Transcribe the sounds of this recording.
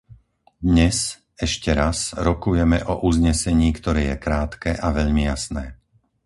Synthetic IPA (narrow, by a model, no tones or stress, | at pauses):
d̪ɲɛz | ɛʃcɛɾazɾɔkujɛmɛʔɔʔuzɲɛsɛɲiːkt̪ɔɾɛːjɛkɾaːt̪kɛːʔaʋɛʎmijasnɛː